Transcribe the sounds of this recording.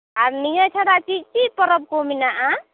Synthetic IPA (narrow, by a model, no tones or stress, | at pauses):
aɾnijat͡ʃʰaɾat͡ʃit͡ʃipɔɾɔp̚kominaʔã